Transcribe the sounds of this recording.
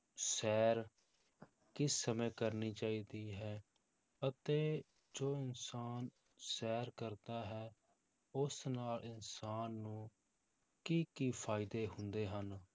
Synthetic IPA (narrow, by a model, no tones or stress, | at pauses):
sɛːɾ | kɪsːəmɛẽːkəɾniːt͡ʃaːiːd̪iːɦɛː | ət̪eː | d͡ʒoːɪnsaːn | sɛːɾkəɾd̪aːɦɛː | ʊsnaːlɪnsaːnːũː | kiːkiːpʰaːɪd̪eːɦʊnd̪eːɦən